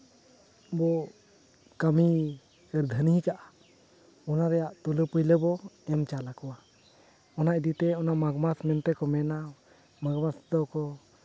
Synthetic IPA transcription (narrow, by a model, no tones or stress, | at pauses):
bɔ | kami | ɛɾd̪ʱəniɦikaʔa | ɔnaɾɛjaʔt̪uləpujləbɔɛmt͡ʃalakɔwa | ɔnaʔd̪it̪ɛɔnamaɡmasmɛnt̪ɛkɔmɛna | maɡmasd̪ɔkɔ